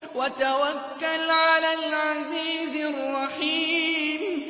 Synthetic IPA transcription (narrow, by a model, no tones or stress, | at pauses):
wat̪awakːalʕalaːlʕaziːzɑrˤːɑħiːm